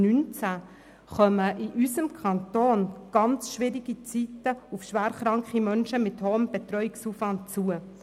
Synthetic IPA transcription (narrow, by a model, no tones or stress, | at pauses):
nynt͡sæ | χœməʔɪʔysəmkʰɑntoːnɡ̥ɑnt͡sʃʋɪɾiɡit͡sitəufʃʋæːɾχɾɑŋkχimœnʃəmɪthoːəmb̥et̪rœjɪksuːfʋɑnt̚t͡suə